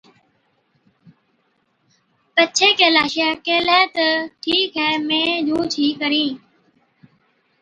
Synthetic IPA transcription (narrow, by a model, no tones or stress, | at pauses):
pətːt͡ʃʰeːkeːlaːʃɪjaːkeːlɛːt̪əʈʰiːkɦɛːmẽːd͡ʒʱuːt͡ʃʰiːkəɾĩː